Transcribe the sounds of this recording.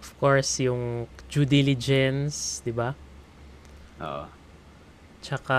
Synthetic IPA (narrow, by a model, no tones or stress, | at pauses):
ɔfkoɹsjʊŋd͡ʒud̪ilɪd͡ʒɛnsd̪ɪba | ʔo̰ʔo | t͡ʃɐka